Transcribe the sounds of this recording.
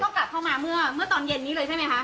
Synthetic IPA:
t̪ɔ˥˩ŋka˨˩p̚kʰa˥˩maː˧mɯ˥˩ɐmɯ˥˩ɐt̪ɔː˧nje˧nːiː˦˥lɤː˧jʰt͡ɕʰa˥˩ma˦˥jkʰa˦˥ʔ

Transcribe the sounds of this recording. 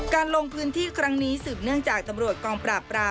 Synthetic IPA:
kaː˧nlo˧ŋpʰɯː˦˥nt̪ʰiː˥˩kʰɾa˦˥ŋniː˦˥sɯː˨˩p̚nɯ˥˩əŋt͡ɕaː˨˩k̚t̪a˧mɾu˨˩ət̪̚kɔː˧ŋpɾaː˨˩pːɾaː˧

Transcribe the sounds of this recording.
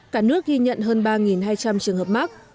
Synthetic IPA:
kaː˦˥k̚nɨ˦˥ək̚ɣi˧ɲə̰˧˨nɦəː˧nɓaː˧ŋi˨˩nhaː˧jt͡ɕa˧mt͡ɕɨ˨˩əŋhəː˨˩p̚ma˦˥k̚

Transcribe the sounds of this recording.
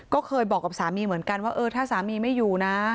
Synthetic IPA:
kɔː˥˩kʰɤː˧jbɔː˨˩kːa˨˩saː˩˦miː˧mɯ˩˦ənka˧nwaː˥˩ʔɤː˧t̪ʰaː˥˩saː˩˦miː˧ma˥˩juː˨˩na˦˥

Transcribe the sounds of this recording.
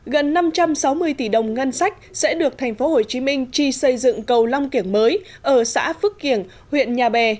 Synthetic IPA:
ɣə˨˩nːa˧mt͡ɕa˧msa˨˦wmɨ˧əjt̪i˧˩ɗə˨˩wŋ͡mŋə˧nsa˦˥jk̟̚sɛ̰˧˥ɗɨ˨˩ək̚t̪ʰa˨˩jŋ̟fo˨˦ɦo˨˩t͡ɕi˨˦mï˧ŋ̟t͡ɕi˨˩sə˧jzɨ̰˧˨ŋkə˨˩wla˧wŋ͡mki˧˩əŋməː˨˦j | ʔəː˧˩sa̰ː˧˥fɨ˦˥kki˧˩ən | hwḭ˧˨ənɲaː˨˩ɓɛ˨˩

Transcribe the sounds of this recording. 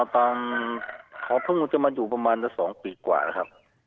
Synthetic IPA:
t̪aː˧m | kʰɔː˨˦pʰɯ˥˩ŋu˧˩t͡ɕa˧˩maː˧juː˨˩pɾa˧maː˧na˧˩ŋsɔː˩˦ŋpiː˧kwa̰ː˨˩la˦˩kʰa˦˥p̚

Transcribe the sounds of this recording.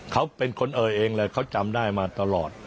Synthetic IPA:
kʰa˦˥wpe˧nkʰo˧nʔɤː˨˩jʔeː˧ŋlɛː˨˧˩kʰa˦˥wt͡ɕa˧mdaː˥˩jmaː˧t̪a˧lɔː˨˩t̪̚

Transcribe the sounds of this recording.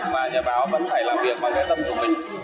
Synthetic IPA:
maː˨˩ɲɔː˨˩ɓaː˨˦wvə̰˦˧˥nfaː˧˩jlaː˨˩mvi˨˩ək̚ɓaː˨˩kaː˨˦jt̪ə˧mku˧˩əmï˨˩ŋ̟

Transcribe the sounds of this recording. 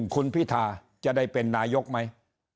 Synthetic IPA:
ŋkʰu˧npʰiː˦˥˩t̪ʰaː˧ | t͡ɕa˨ʔda˥˩jpe˧nːaː˧jo˦˥k̚ma˦˥j

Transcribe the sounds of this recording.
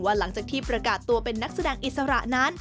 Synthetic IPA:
waː˥˩la˩˦ŋt͡ɕaː˨˩k̚t̪ʰiː˥˩pɾa˧kaː˨˩t̪ːu˧ɐpe˧nːa˦˥k̚sa˧dɛː˧ŋʔi˨˩t̪̚sa˧ɾa˨˩ʔna˦˥n

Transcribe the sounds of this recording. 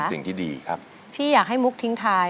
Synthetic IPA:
si˨˩ŋt̪ʰiː˥˩dḭː˧kʰa˦˥p̚ | pʰiː˥˩jaː˨˩k̚ɦa˥˩jmu˦˥k̚t̪ʰi˦˥ŋt̪ʰaː˧

